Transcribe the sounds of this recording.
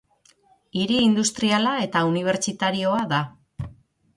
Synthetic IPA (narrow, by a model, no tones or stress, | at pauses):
iɾiːnd̪ust̪ɾialae̞t̪auniβ̞e̞ɾt͡ʃit̪aɾio̞aða